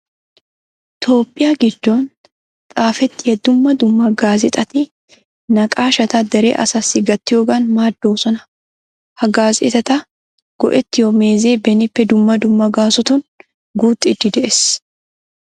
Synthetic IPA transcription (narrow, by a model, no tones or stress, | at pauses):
t̪ʰo̞ːpʼːɪjaːɡɪd̪̥ːo̞ːn | t̪ʼaːfɛt̪ːɪjɛd̪ʊmːɐd̪ʊmːɐɡaːzɛt̪ʼɐt̪ɪ | nɐkʼaːʃɐt̪ɐd̪ɛɾḛːʔɐ̰sɐsːɪɡɐt̪ːɪjoːɡaːnmaːd̪ːo̞ːsɔnɐ | hɐɡaːzɛ̰t̪ɐt̪ɐ | ɡ̥ɔ̰ʔɛt̪ːɪjome̞ːze̞ːbɛnɪpːɛd̪ʊmːɐd̪ʊmːɐɡaːsɔt̪ʊn | ɡuːt̪ʼːɪɪd̪ːɪd̪ɛʔes